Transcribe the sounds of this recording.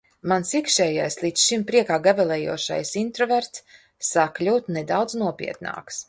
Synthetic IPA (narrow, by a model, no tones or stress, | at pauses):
mansikʃɛːjajslˠit̪sʃimpɾiɛkaːɡabɛlˠɛːjṵɔʃa̰jsint̪ɾɔvɛɾt̪sː | aklʲuːt̪ned̪awd̪znuɔpʲḭɛt̪na̰ːks